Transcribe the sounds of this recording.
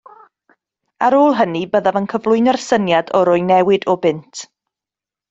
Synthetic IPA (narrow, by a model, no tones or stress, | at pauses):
aɾoːlˠɦənibəðavənkʰəvlˠʊɨnərsənjadɔɾʊjnɛwɪdɔbɪntʰ